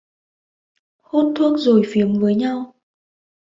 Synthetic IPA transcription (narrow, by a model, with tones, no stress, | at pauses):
ho˧˥nt̪ʰu˧˥ək̚zo˨˩jfi˨˦əmvəː˨˦jɲa˧w